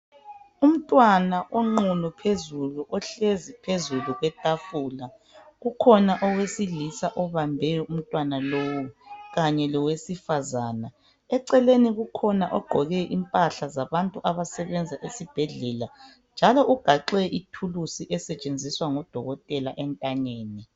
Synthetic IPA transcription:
um̩tʼwanaʔɔŋ͡ǃulupʰezuluʔɔɬezipʰezuluɣwɛtʼafula | ɣukʰɔnaʔɔwesilisaʔɔβambʱɛjɔʔum̩tʼwanalowuɣaɲɛlɔwesifazaːna | ɛǀɛleniɣukʰɔnaʔɔɡ͡ǃʱɔɣɛʔimpʼaɬazaβantʼuʔaβasɛβɛnd͡zʱaʔesib̥ʱɛɮɛla | nd͡ʒʱalɔʔuɡ̥ʱaǃɛʔitʰulusiʔɛsɛt͡ʃʼend͡zʱiswaŋɔd̥ʱɔɣɔtʼɛlaʔɛntʼaɲeːni

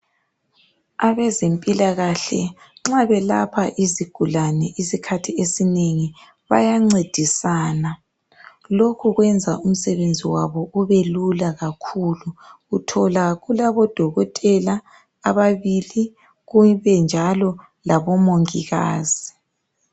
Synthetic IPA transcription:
aβɛzempʼilaɣaɬɛ̰ | ŋ͡ǁaβɛla̰pʰaʔiziɡ̥ʱulanɛʔisikʰatʰiesineŋi | βa̰jaŋ͡ǀed̥ʱisaːna | lokʰuɣwɛnd͡zʱaʔum̩sɛβend͡zʱiwaβɔuβelulaɣakʰuluɣutʰɔlaɣulaβɔd̥ʱɔɣɔtʼɛlaː | βaβili | ɣuβɛnd͡ʒʱalɔ | laβɔmoŋiɣa̰ːz̥i

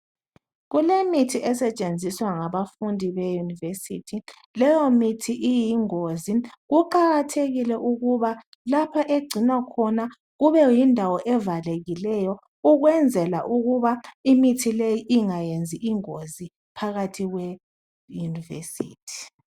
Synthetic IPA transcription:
ɣulemitʰiʔɛsɛt͡ʃʼend͡zʱiswaŋaβafundʱiβejunivesḭtʰi | lɛjɔmitʰiʔijiŋoziɣuǃaɣatʰeɣilɛʔuɣuβa | lapʰaʔeɡ͡ǀʱinakʰɔna | ɣuβɛjindʱawɔʔɛvaleɣilɛjɔ | uɣwɛnd͡zʱɛlaʔuɣuβaimitʰilejiʔiŋajend͡zʱiʔiŋozi | pʰaɣatʰiɣwɛ | junivḛsḭːtʰi̥

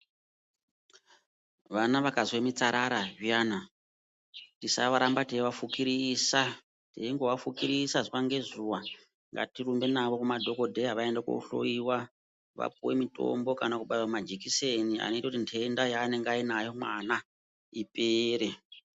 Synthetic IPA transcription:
ʋanaʋakazwe̞mit͡saɾʔaɾaʐijana | tisa̰ʋaɾambatiiwafukiɾiːsa | tḛiŋɡowafukiɾisaziʋaŋɡe̞zuʋa | ŋɡa̰tirumbe̞naʋo̞kumadʱo̞ko̞dʱejaʋae̞ndeko̰ṵɬo̰iwa | ʋa̰p̚uwe̞̰mito̞̰mbo̞kanakuɓajwamad͡ʒikisenia̰no̞itakutintʰendajaːne̞ŋɡainajo̞mwana | ipʼeːɾe

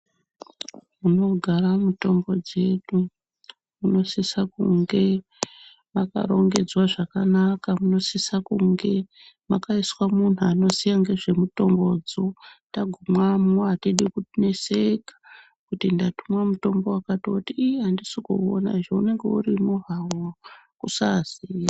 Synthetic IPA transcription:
muno̞ɡʱaramuto̞mbo̞d͡ze̞ɗu | muno̞sisakṵŋɡe̞ | maka̰ɾo̞̰ŋɡe̞d͡zwaʐakanakamuno̞sisakuŋɡe̞ | makaiswamun̤uano̞sijaŋɡe̞ʐe̞muto̞mbo̞d͡zotaɡʱumwamoatiɗikutine̞sekḁ | kutindatumwamuto̞mbo̞wakatiotiiɦandisoko̰o̰na̰ʒeune̞ŋɡe̞urimuɦawa | kusaziːja

